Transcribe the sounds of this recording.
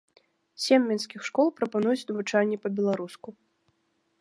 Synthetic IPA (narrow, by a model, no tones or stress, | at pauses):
sʲemːʲɛnskʲixʂkɔlˠpɾɐpanujut͡sʲnɐvɨt͡ʂalʲːɛpɐbʲɛlˠaɾusku